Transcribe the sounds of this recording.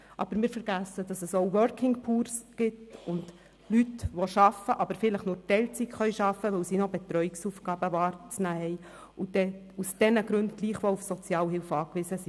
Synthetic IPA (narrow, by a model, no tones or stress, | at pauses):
ʔɑ̰b̥əɾmɪːɾfəɾɡ̥æsːəd̥ɑsɛsowʋœɾkʰɪŋpʰuːɾsɡ̥ɪtʊnd̥ | lytʋɔʃɑfəʔɑbəɾfɪləχnʊːɾtɛlt͡sikχœʏʃɑfəʋɵwsinɔbɛt̪ɾœʏiksuːfɡ̥ɑːb̥əvɑːɾt͡snæːhɛɪ | ʊd̥ɛ | usd̥ɛnəɡɾʉntɡ̥liːχʋɔufsɔt͡sjɑːlɦɪlfɑːkʋɪzəsi